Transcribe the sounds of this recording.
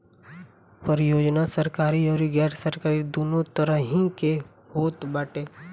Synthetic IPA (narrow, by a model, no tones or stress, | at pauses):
pəɾjoːd͡ʒnasəɾkaːɾiɔːɾiɡɛːʈsəɾkaːɾid̪oːnõt̪əɾəɦĩke | hoːt̪baːʈeː